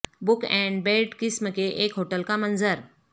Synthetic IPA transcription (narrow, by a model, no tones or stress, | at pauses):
bʊkɛ̃ɳɖbeɖkɪsməkeʔeːkɦoʈəlkamənzəɾ